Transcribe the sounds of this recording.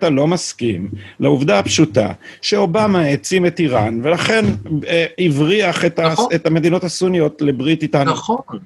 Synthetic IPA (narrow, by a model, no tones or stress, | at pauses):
talo̞maskḭmlauvdaapʃuta̰ʃeo̞bamaet͡sime̞tiʁanve̞laχe̞n | ivʁiaχetaetame̞d̪ino̞tasunijo̞tlebʁititanu